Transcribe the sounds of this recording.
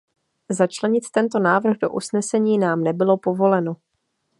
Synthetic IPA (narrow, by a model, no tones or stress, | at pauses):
zat͡ʃlɛɲɪt̪t̪ɛnt̪o̞naːvr̩ɣdo̞ʔusnɛsɛɲiːnaːmnɛbɪlo̞po̞vo̞lɛno